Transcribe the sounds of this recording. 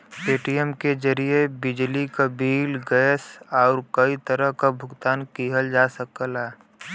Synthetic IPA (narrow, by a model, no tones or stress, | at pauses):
peːʈijəmkezəɾiebɪd͡ʒlikabiːlɡɛːsaːɾkɐit̪əɾəɦkabʱʊɡt̪aːnkiːɦəld͡ʒaːsəkəlɛː